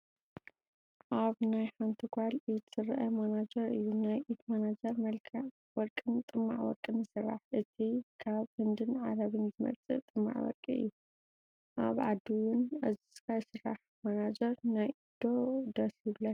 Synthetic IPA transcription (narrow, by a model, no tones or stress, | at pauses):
ʔaβnajħant̪ʰɨkʰʷalʔit̪sɨrʔɐmanad͡ʒɐɾɨjːunajʔit̪manad͡ʒɐɾmɐlkʰa | wɔɾkʼɨnt̪ʼɨmːa̰ʕwɔ̰ɾkʼɨnɨsɨrːa̰ħʔɨt̪ʰikʰaβhɨnd̪ɨnʕa̰lɐβɨnzɨmɐ̰lt͡sʼɨʔt̪ʼɨmːa̰ʕwɔ̰ɾkʼiɨ̰jːu | ʔa̰βʕad̪iwʊnɐzisɨ̥kʰajsɨɾa̰ħ | manad͡ʒɐɾnajʔid̪o̞d̪ɐsilɐt̪